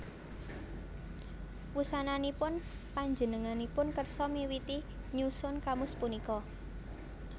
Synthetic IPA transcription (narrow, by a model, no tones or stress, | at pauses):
wusananipʊn | paɲd͡ʒənəŋanipʊnkərsɔmiwit̪i | ɲusʊnkamʊspunikɔ